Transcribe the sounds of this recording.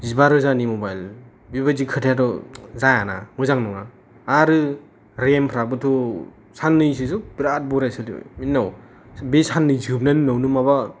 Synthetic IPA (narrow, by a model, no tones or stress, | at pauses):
zibaɾɯzanimobajl | biβad͡ʒikʰɯtʰjatɔzajana̰mɯzaŋnɔŋaː | ɾɯ | ɾempʰɾak̚bɯtʰɔ | sanːɯjsisubiɾat̚bɔɾajsɯlḭminːaw | besanːɯjzɯp̚nanɯnawnumaba